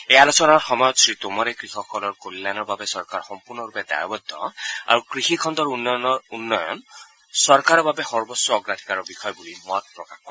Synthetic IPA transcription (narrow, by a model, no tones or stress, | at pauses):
ejalosɔnaɹxɔmɔjɔt̪sɹit̪omɔɾekɾixɔxɔlɔɹkolːanɔɹbabesɔɹkaɹxɔmpuɾnɔɾuped̪a̰jɔbɔd̪ʱːɔ̰a̰ɹukɾixikʰɔnd̪ɔɹunːɔnɔunːɔjɔ̰n | sɔɹkaɾɔbabexɔɹbɔsjɔɔɡɾat̪ʰi̥kaɹɔbixʰɔjɔbulimɔt̪̚pɹɔkaxkɔi